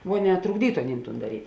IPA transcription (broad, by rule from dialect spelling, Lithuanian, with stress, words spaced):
ˈʋoː ˈnʲɛ trʊɡˈdʲiːtʊ ɐˈnʲiːm tuːn dɐˈrʲiːtʲ